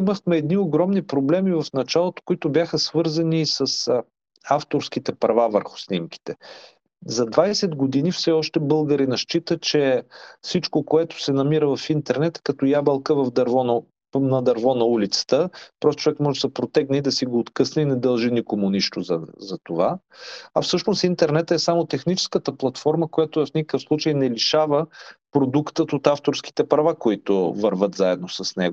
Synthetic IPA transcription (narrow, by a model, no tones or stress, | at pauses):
iməxmɛːd̪nioɡɾɔmnipɾoblɛmivɐfnɐt͡ʃalˠot̪o̥koit̪ʊbʲjaxəsvɤɾzɐnisəs | aft̪oɾskit̪ɛpɾɐvavəɾxʊ̥snimkʲi̥t̪ɛ | zɐd̪vajsɛd̪ɡod̪inifsɛɔʃt̪ɛbɤlˠɡəɾinɐʃt͡ʃit̪ət͡ʃɛfsit͡ʃkokoɛt̪ʊ̥sɛnɐmiɾəvɐfint̪ɛɾnɛt̪kɐt̪ɔjabɐlˠkəvɐvd̪ɐɾvɔnɐ | nɐd̪ɐɾvɔnɐulit̪sə̥t̪əpɾɔst̪o̥t͡ʃovɛkmɔʒɛsɐpɾot̪ɛɡniid̪ɐsiɡoːt̪kɤsnəinɛd̪ɐlˠʒinikomʊniʃt̪ozɐzɐt̪ova | ɐfsɤʃnost̪int̪ɛɾnɛt̪ɛsamot̪ɛxnit͡ʃɛ̥skət̪əplˠɐt̪fɔɾməkojat̪ʊfnikəkəfslˠut͡ʃəjnɛliʃavəpɾod̪ukt̪ət̪ot̪aft̪oɾsk̟i̥t̪ɛpɾɐvakoit̪ʊvəɾvət̪zaɛd̪nosɐsnɛɡʊ